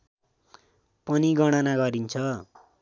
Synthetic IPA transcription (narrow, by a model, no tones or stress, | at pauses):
pʌniɡʌɽ̃ʌnaɡʌɾint͡sʰʌ